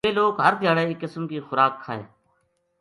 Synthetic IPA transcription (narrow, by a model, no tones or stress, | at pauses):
eːloːkɦəɾt̪ɪjaːɽeːɪkːɪsmkiːxʊɾaːkʰːa̰ːḛː